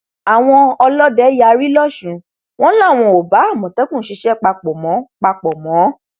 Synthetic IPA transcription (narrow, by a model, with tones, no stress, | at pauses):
a˨w̃ɔ̃˧ɔ˧lɔ˦dɛ˦ja˧ɾi˦lɔ˦˨ʃũ˨˦ | w̃ɔ̃˦lã˦˨w̃ɔ̃˧o˨ba˨˦a˦˨mɔ̃˨tɛ˦kũ˦˨˦ʃi˧ʃɛ˦k͡pa˧k͡pɔ˨mɔ̃˨˦k͡pa˧k͡pɔ˨mɔ̃˨˦